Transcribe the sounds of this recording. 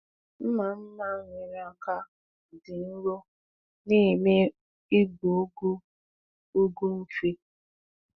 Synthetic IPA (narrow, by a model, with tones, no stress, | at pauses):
m̩˦ma˨m̩˦ma˦ŋʷɪ˨ɾa˨ka˦ | dɪ˨n̩˦ɾo˦ | nɪ˦˨me˦ | i˦ɡo˨˦ɡu˦ | o˦ɡu˦n̩˦t͡ʃi˦